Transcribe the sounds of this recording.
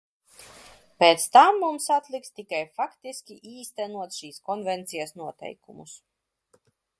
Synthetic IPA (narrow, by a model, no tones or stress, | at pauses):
peːt̪st̪amːumsat̪lˠikst̪ikajfakt̪isʲkʲiʔiːst̪ɛnuɔt̪sʃiːskɔnvɛnt̪sijasnuɔt̪ɛ̰jkumṵs